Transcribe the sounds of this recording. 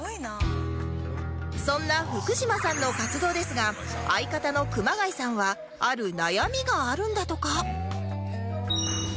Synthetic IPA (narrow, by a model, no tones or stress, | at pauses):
n | sõ̞nːaɸɯ̟kɯ̟ɕimasãnːo̞kat͡sɨd̪o̞ːd̪e̞sɨɡa | aikat̪ano̞kɯ̟maɡaisãɰ̃βa | aɾɯ̟najamʲiɡaːɾɯ̟̃nd̪at̪o̞ka